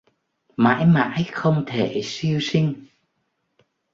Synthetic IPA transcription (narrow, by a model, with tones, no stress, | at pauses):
ma̰ː˧˥jma̰ː˧˥jxə˧wŋ͡mt̪ʰe˧˩si˧əwsi˧ŋ̟